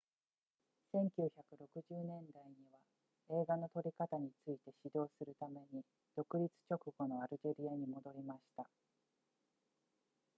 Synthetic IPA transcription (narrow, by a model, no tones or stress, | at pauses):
sẽ̞ŋkʲɨːçakɯ̟ɾo̞kɯ̟ʑɨːnẽ̞nd̪aiɲ̟iβ̞a | e̞ːɡano̞t̪o̞ɾʲikat̪aɲ̟it͡sɨit̪e̞ɕid̪o̞ːsɨɾɯ̟t̪ame̞ɲ̟i | d̪̥o̞kɯ̟ɾʲit͡sɨ̥t͡ɕo̞kɯ̟ɡo̞no̞aɾɯ̟ʑe̞ɾʲiaɲ̟imo̞d̪o̞ɾʲimaɕi̥t̪a